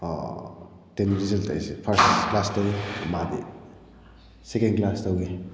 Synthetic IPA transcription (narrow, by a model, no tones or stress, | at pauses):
tenɾizɐlta̰jsepʰɐɾsklastawimadi | sekenklastawɡe